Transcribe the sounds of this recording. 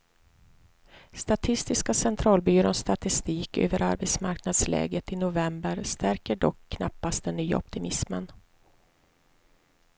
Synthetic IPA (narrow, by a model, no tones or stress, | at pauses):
st̪at̪ʰɪst̪ɪskasɛnt̪ʰɾɑːlbyːɾonst̪at̪ɪst̪iːkø̰ːvəɾʔa̰ɾbɛt̪smaɾknad̪slɛ̰ːɡət̪ɪnʊvɛmbəɾst̪ʰæɾkəɖɔkʰːna̰pːast̪̚d̪ɛnːyːa̰ɔp̚t̪ɪmɪsmən